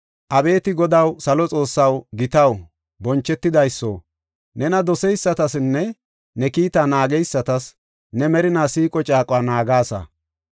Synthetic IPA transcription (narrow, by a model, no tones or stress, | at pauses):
ʔɐbe̞ːt̪ɪɡɔd̪ɐwsɐlɔt͡sʼo̞ːsːɐwɡɪt̪ɐw | bɔnt͡ʃːɛt̪ːɪd̪ɐjsːo̰ː | nɛnɐd̪ɔsɛjsːɐt̪ɐsɪnːɛ | nɛkiːt̪aːnaːɡɛjsːɐt̪ɐs | nɛmɛɾɪnaːsiːkʼɔt͡ʃʼaːkʼwaːnaːɡaːsɐ̰